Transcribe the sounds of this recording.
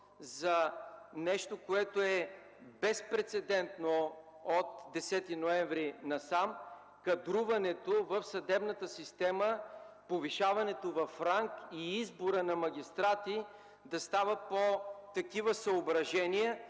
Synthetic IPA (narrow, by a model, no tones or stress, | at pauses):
zɐnɛʃt̪okoɛt̪oɛ | bɛspɾɛt̪sɛd̪ɛnt̪no | ot̪d̪ɛsɛt̪inoɛɱvɾinɐsam | kɐd̪ɾuvɐnɛt̪ovəfsɐd̪ɛbnət̪əsist̪ɛməpoviʃavɐnɛt̪ovɐfɾaŋkiizboɾənɐmɐɡʲist̪ɾat̪i | d̪ɐst̪avəpot̪ɐkivəsɐobɾɐʒɛniə